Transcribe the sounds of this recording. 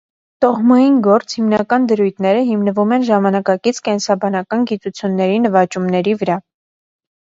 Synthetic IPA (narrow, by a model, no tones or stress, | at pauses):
t̪ɔhmɑjinɡɔɾt͡sʰhimnɑkɑnd̪əɾujt̪ʰnɛɾəɦimnəvumɛnʒɑmɑnɑkɑkit͡sʰkɛnsɑbɑnɑkɑnɡit̪ut͡sʰjunːɛɾinəvɑt͡ʃumnɛɾivəɾɑ